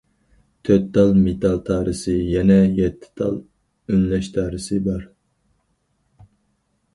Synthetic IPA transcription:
t̪ʰøt̪̚ːɑlˠmet̪ʰɑlˠt̪ʰɑːɾɨsɨjɛnɛjɛt̪ʰːɪ̥t̪ʰɑ̰lˠ | ønlɛʃt̪ʰɑːɾɨsɨbɑɾ

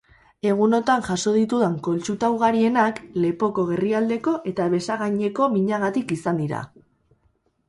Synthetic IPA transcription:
e̞ɣ̞uno̞t̪aŋʝaso̞ð̞it̪uðaŋko̞lt͡ʃut̪awɣ̞aɾie̞nakle̞po̞ko̞ɣe̞riald̪e̞ko̞ʔe̞t̪aβe̞saɣaɲe̞ko̞miɲaɣat̪ikisand̪iɾa̰

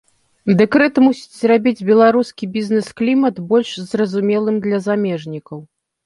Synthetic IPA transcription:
d̪ɛkɾɛt̪musʲi̥t͡sʲzrabʲid͡zʲbʲɛlˠaɾuskʲibʲizʲnɛsklʲimɐt̪bɔlʲʂzrɐzumʲɛlˠɨmd̪lʲɐzamʲɛʐnʲikɐw

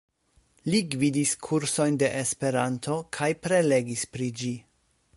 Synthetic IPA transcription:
liɡvidiskʰuɾso̞jnde̞ʔespe̞ɾantʰo̞kʰajpɾe̞le̞ɡispɾid͡ʒi

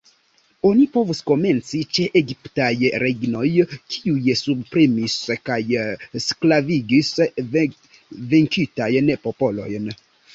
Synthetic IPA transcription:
o̞nipo̞vusko̞me̞nt͡sit͡ʃe̞ʔeɡiptajɾʔeɡno̞jkʰiujsubpɾemiskajsklaviɡis | viŋkitajnpo̞po̞lo̞jn

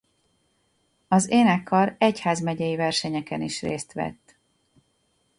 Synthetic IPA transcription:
ɒzeːnɛkʰːɒɾɛchaːzmɛɟɛjivɛrʃɛɲɛkɛniʃreːst̪ʋɛ̰t̪ː

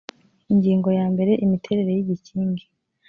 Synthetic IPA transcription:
iɲɟiːŋɡo̞jaːmbe̞ɾe̞ʔimitʰe̞ɾe̞ɾe̞jiɟiciːŋɡi

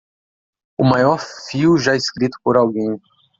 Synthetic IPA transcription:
ʊmajɔɾfiwʒaeskɾit̪ʊ̥poɾawɡẽj̃

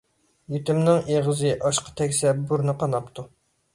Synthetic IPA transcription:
jyt̪ymnɪŋeʁəzɨʔɑʃqʰɑ̥t̪ʰɛkʲsɛbuɾnɨqɑnɑpt̪ʰu

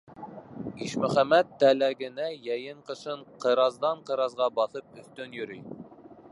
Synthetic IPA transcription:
iʃmɵχæmːæt̪ːælæɡʲɪ̆næjæjɪɴqɤ̆ʃɤɴqʰɤɾɑzd̪ɑɴqɤ̆ɾɑzʁɑbɑθɤp̚ɵθt̪ɵnjyɾyj

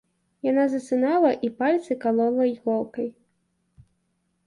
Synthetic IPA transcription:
janazɐsɨnalˠɐʔipalʲt̪sɨkalˠɔlˠɐjɣɔlˠkɐj

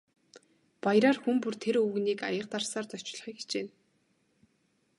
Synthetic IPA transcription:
pajɾaːrxumpurt̪ʰeɾuːɣniːka̰jə̆q̚t̪arsaːrt̪ɔt͡ɕɮ̆χiːkʰt͡ɕeːn

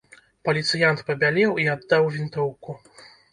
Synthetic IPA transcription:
pɐlʲit̪sɨjant̪pɐbʲalʲɛwiad̪ːawvʲint̪ɔwku

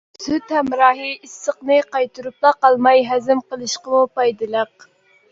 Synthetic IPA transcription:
syt̪hɛmɾɑːɦɨisːəqnɨqɑjt̪ʰuɾup̚lˠɑqɑlˠmɑjɦɛzɪmqəlˠɨʃqəmupɑjd̪ɨlˠəq̚

